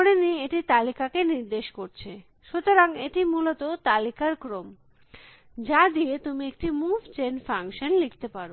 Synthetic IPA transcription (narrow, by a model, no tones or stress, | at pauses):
oɽenieʈit̪alikakeniɾd̪eʃkoɾt͡ɕʰe | ʃut̪oɾaŋeʈimulot̪ot̪alikaɾkɾom | d͡ʑad̪iet̪umiek̚ʈimuvt͡ɕenfaŋʃonlikʰt̪epaɾo